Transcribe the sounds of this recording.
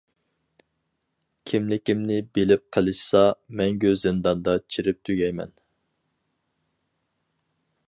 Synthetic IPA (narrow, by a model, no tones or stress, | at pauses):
kʲʰimlɪkʲimnɪbelɪp̚qʰəlˠɨʃsɑmɛŋɡʲøzɪnd̪ɑnd̪ɑt͡ʃʰiɾɪp̚t̪ʰyɡʲɛjmɛ̰n